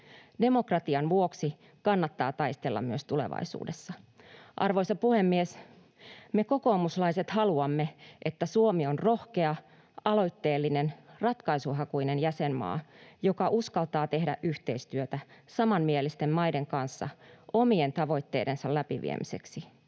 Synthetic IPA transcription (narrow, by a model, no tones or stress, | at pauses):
de̞mo̞krɑt̪iɑnʋuo̞ksi | kɑnːɑt̪ːɑːt̪ɑist̪elːɑ̰mmyøst̪ule̞̰ʋɑ̰jsṵːdesːɑ | ʔɑ̰rʋo̞jsɑpuhe̞mːies | me̞ko̞ko̞ːmuslɑiset̪hɑluɑmːe̞ʔet̪ːæsuomio̞nro̞hke̞ɑ | ɑlo̞jt̪ːe̞ːlːinenrɑt̪kɑjsuɦɑkuinenjæsenmɑ̰ːjo̞kɑʔuskɑlt̪ɑːt̪e̞ɦdæ̰ʔʔyht̪e̞ist̪yøt̪æsɑmɑnmielist̪emmɑjde̞ŋkɑnsːɑ̰ʔo̞mie̞nt̪ɑʋo̞jt̪ːe̞ːde̞nsɑllæpiʋḭḛmʔḭse̞̰ksi